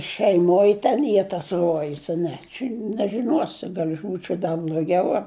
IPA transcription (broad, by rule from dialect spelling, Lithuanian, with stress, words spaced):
ʃʲɛɪˈmoːj tʲɛn ˈiː tɐs ˈruɔjʊs ɐ ˈnʲɛ t͡ʃʲɛ nʲɛʒʲɪˈnuɔsʲɪ ˈɡɐlʲ ɐʃ ˈbuːt͡ʃʲɛʊ dɐ bʲlʲoːˈɡʲɛʊ ɐ